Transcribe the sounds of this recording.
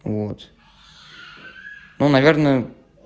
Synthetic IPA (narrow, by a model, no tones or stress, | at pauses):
vot̪ | nonavʲeɾnə